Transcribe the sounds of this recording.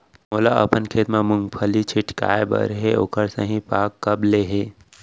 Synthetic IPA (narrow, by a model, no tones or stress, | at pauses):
moːlaʔə̰pənkʰeːt̪mãmʊŋɡpʰəlit͡ʃʰɪʈka̰ːebə̰ɾɦeo̰kəɾsə̰̃ɦĩpaːkːəbleɦe